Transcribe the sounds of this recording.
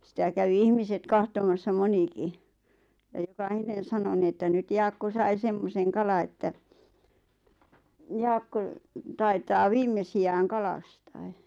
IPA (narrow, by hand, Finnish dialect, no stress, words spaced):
sĭtæ kæʋi ihmiset kɑhtomɑsːɑ moniki jɑ jokɑhinen̞ sɑno ni etːæ nyt jɑːkːo sɑi semːoseŋ kɑlɑ etːæ jɑːkːo tɑitɑː ʋiːmːesiæːŋ kɑlɑstɑe̥